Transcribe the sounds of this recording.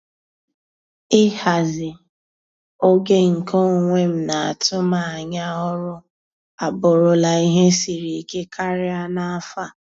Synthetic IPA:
ɪ˦ha˨zɪ˨ | o˦ɡe˦ŋ̩˨ko˦˨ŋʷe˦m̩˦na˨a̰˨tʊ˦ma˨a˨ɲa˦ɔ˦ɾʊ˦ | a˨bʊ˨ɾʊ˨la˨i˦ɦe˦si˨ɾi˨ke˦kʰa˦ɾɪ˦a˦na˦a˦fa˦˨

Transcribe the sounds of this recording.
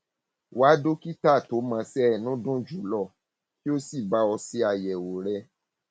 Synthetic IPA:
wa˨˦do˦ki˦ta˦˨to˨˦mã˧sɛ˦˨nũ˦dũ˦d͡ʒu˨˦lɔ˦˨ | ki˦o˦si˦˨ba˨˦ɔ˧si˦a˨jɛ˨wo˨ɾɛ˧˦

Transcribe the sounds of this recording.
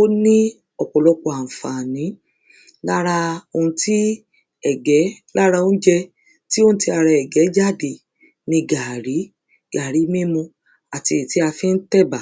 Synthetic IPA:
o˦nĩ˦ | ɔ˨k͡pɔ˨lɔ˧k͡pɔ˨a˨fa˨nĩ˨˦ | la˦ɾa˧o˧ũ˧ti˦ | ɛ˨ɡɛ˨˦la˦ɾa˧o˦n̩˦d͡ʒɛ˧ | ti˦õ˦ti˧a˧ɾa˧ɛ˨ɡɛ˨˦d͡ʒa˦˨de˨ | nĩ˧ɡa˨ɾi˨˦ | ɡ̥a˨ɾi˨˦mẽ˦mũ˧ | a˨ti˧i˨ti˨˦a˧fĩ˦n̩˦tɛ˦˨ba˨

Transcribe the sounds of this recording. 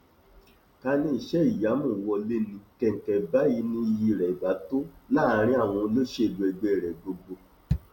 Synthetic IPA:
ka˧nĩ˧˦i˨ʃɛ˦i˦˨ja˨˦mũ˦˨wɔ˧le˧nĩ˨kɛ˨n̩˨tɛ˨ba˦ji˧˦nĩ˦i˧ji˧˨ɾɛ˨ba˨˦to˦laː˦˨˧ɾ̃ĩ˦a˦˨w̃ɔ̃˧˦lo˦ʃe˦˨du˧ɛ˧ɡ͡be˦ɛ˨ɾɛ˨ɡ͡bo˧ɡ͡bo˧

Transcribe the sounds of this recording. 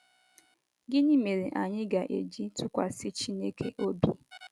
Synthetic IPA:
ɡɪ˦ni˦me˨ɾe˨ʔa˨ɲɪ˦ɡa˨ʔe˨d͡ʒi˦tʊ˦kʷa˨sɪ˦t͡ʃi˦ne˦kʰe˦ʔo˦bi˦

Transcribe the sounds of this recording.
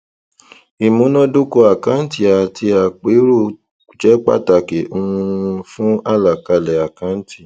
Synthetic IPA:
i˨mũ˨˦nɔ̃˦do˦ko˧a˨kã˨˦n̩˦ti˨a˨tʰi˧a˨k͡pe˨˦ɾo˦˨ | d͡ʒɛ˨˦k͡pa̰˦˨ta˨ke˨ũ˧˦˧fũ˦a˦˨la˨ka˧lɛ˨a˨kã˨˦n̩˦ti˦˨

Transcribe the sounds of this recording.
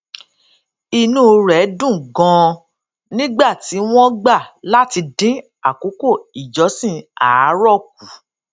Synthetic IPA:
i˧nũ˦ɾɛ˨˦dũ˦˨ɡɔ̃˨˧ | nĩ˦ɡ͡ba˦˨ti˨˦w̃ɔ̃˦ɡ͡ba˦˨la˦ti˧dĩ˦ | a˨ko˨˦ko˦˨i˨d͡ʒɔ˨˦sĩ˦a˨˦ɾɔ˦˨k̚u˨˦

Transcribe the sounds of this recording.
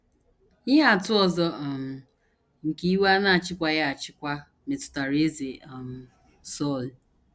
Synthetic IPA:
ɲɪ˦ɦa˦˨tʊ˦ɔ˨zɔ˦˨m̩˨ | ŋ̩˨ki˦i˦wa˦na˦˨t͡ʃɪ˦kʷa˦ja˦a˨t͡ʃɪ˦kʷa˦ | me˨tʊ̥˨ta˨ɾe˦ze˨a˨m̩˨ | sɔ˦˨l

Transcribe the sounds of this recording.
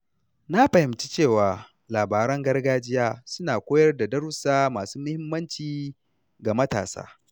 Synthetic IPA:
na˦ɸɐ˨hɪ˨mt͡ʃi˦t͡ʃeː˦˨waː˨ | laː˨baː˨ɾɐ˦ŋɡɐ˦rɡaː˦d͡ʒɪ˦jaː˦sʊ˦naː˨kʷoː˦jɐ˦rda˨dɐ˦ɾʊ˦saː˦maː˨suː˦mʊ˦hɪ˦mːɐ˦nt͡ʃiː˨ | ɡa˨mɐ˦ta̰ː˨sa̰ː˦

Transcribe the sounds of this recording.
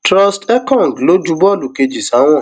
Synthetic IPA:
tɾɔ˧stɛ˦kɔ̃˦˨ŋɡlo˦d͡ʒu˧bɔ˦˨lu˨ke˧d͡ʒi˨sa˨˦w̃ɔ̃˦˨

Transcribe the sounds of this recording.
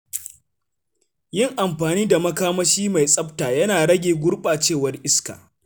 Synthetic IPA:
jɪ˦˨ŋʔa˨mɸaː˨niː˦da˨mɐ˦kaː˦mɐ˦ʃiː˦ma˨jsʼɐ˦p̚taː˨jɐ˦naː˨ɽɐ˦ɡʲeː˨ɡʷʊ˦ɽɓaː˨t͡ʃeː˦˨wɐ˦rʔɪ˦ska̰ː˨

